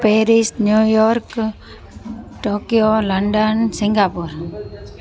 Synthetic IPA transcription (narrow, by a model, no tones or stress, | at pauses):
peːɾisnjujɔɾk | ʈoːkjoləɳɖənsɪŋɡaːpuɾ